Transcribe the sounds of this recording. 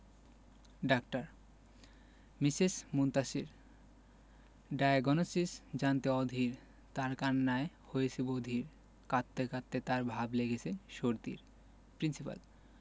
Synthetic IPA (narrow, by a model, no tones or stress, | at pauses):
ɖakʈaɾ | misismunt̪aʃiɾ | ɖajɡɔnosisd͡ʑant̪eɔd̪ʱiɾ | t̪aɾkanːae | hojet͡ɕʰibod̪ʱiɾ | kat̪ːekat̪ːet̪aɾbʱableɡet͡ɕʰeʃoɾt̪ḭɾ | pɾinsipa̰l